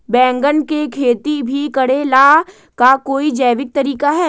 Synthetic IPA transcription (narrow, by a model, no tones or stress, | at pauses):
bɛ̃ːŋɡənkekʰeːt̪ibʱikɐɽelaː | kakoːid͡ʒɐːʋɪk̚t̪ɐɾiːkaɦɛː